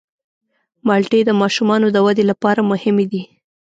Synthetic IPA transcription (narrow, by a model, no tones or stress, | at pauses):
mɑlʈed̪əmɑʃumɑnod̪əwad̪elapɑɾamʊhɪmed̪i